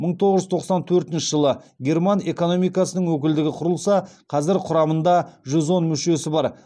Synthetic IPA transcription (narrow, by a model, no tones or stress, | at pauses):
məɴt̪ʰo̞ʁəʒʏzt̪ʰo̞qsɑnt̪ʰɵɾt̪ɪnʃɪʒəlˠəɡʲe̞rmɑne̞ko̞no̞mijkɑsənəɴwɵk̬ʲɪld̪ɪɡʲɪqʰʊɾəlˠsɑqʰɑzɪɾqʰʊɾɑmənd̪ɑʒʏzo̞nmʏʃe̞sɪbɑɾ